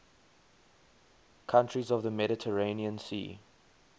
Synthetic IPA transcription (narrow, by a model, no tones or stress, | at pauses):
kʰãntɹizɔvðəmɛɾɪtʰəɹẽniə̃nsḭː